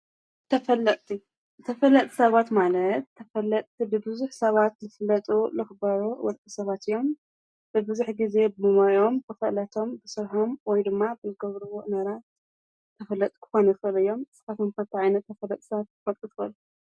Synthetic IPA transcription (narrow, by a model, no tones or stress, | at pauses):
t̪ʰɐfɐlːɐt̪ʼt̪ʰi | t̪ʰɐfɐlːɐt̪ʼsɐβat̪malɐt̪ʰːɐfɐlːɐt̪ʼt̪ʰibɨbɨzuħsɐβat̪zɨfɨlːɐt̪ʼulɨxɨbaɾuwɔ̰lt̪ʼisɐβat̪ɨjːo̞m | b̥ɨbɨzuħɡize̞bɨmɨmajo̞mkʰɨfɐʔlɐt̪ʰo̞mbɨsɨɾħomwɔjd̪ɨmːabɨzɨɡɐβɾɨwoʔnɐɾat̪̚ | t̪ʰːɐfɐlːɐt̪ʼkʰɨ̥xo̞nɐfɐlɐjo̞msɨ̥fat̪omkʰɐt̪ʰiʕajnɐt̪ʰːɐfɐlːɐt̪ʼsɐβat̪̚ːfɐt̪ʼɨt̪ʰɨɐlu